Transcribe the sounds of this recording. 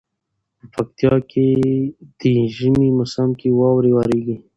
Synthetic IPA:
pəpak̚t̪ijɑked̪̥əʒəmimʊsamkewɑwɾewaɾeɡi

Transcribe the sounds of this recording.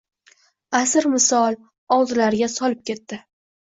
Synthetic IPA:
asɪɾmɪsɒlˠ | ɒwˠd̪ɪlaɾɡʲasɒlɪp̚kʲe̞t̪ːɪ

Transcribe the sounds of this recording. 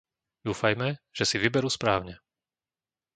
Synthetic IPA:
d̪uːfajmɛʒ̥ɛsiʋibɛɾuːspɾaːʊɲɛ

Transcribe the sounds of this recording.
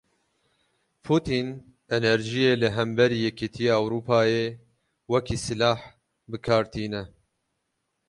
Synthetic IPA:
pʰuːt̪iːn | ɛnɛɾʒijeːlɨɦɛmbɛɾiːjɛkʰit̪ʰijeːawɾuːpʰɑːjeː | wɛkʰiːsɨlɑːħ | bɨkʰɑːɾt̪ʰiːnɛ

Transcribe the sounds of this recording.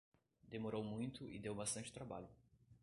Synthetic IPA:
d̪emoɾowmũj̃t̪ʊʔɪ̰d̪ewbast̪ɐ̃nt͡ʃɪ̥t̪ɾaba̰ʎʊ

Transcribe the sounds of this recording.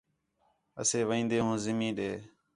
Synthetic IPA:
ə̰seːʋəĩːnd̪eːɦũːzɪmĩːɗeː

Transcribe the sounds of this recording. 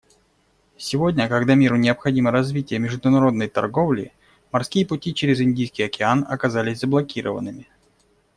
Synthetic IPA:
sʲɪvo̞dʲnʲəkɐɡd̪amʲiɾʊnʲɪəpxɐdʲiməɾɐzvʲitʲɪjəmʲɪʐd̪ʊnɐɾo̞d̪nəjt̪ɐ̰rɡo̞vlʲɪ̰ | mɐrskʲijəpʊtʲit͡ɕeɾʲɪzɪnʲdʲijskʲɪjɐkʲɪanɐ̰kɐzalʲɪsʲzəblˠɐkʲiɾə̰və̰nːɨmʲɪ

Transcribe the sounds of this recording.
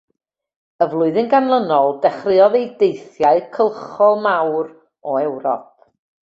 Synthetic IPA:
əvlˠʊɨðɪnɡanlˠənɔlˠdɛχrɨɔðejdejθjaɨkʰəlˠχɔlˠmawɾ | ɔɛwɾɔ̰p̚

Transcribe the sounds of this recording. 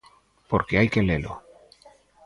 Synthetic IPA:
po̞ɾkeajkelelo̰

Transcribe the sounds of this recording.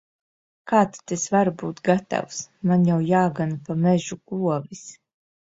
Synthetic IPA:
kaːt̪t̪esvaɾbuːt̪ɡat̪a̰wsmanjawjaːɡanpamɛʒuɡ̥uɔvis

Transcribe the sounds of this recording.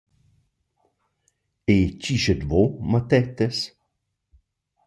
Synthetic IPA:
et͡ʃiʃed̪vomat̪ɛt̪es

